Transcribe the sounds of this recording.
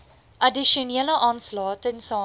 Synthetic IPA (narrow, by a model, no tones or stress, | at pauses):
ʔɐdiʃoniələʔɑːnslɑːtənsɑː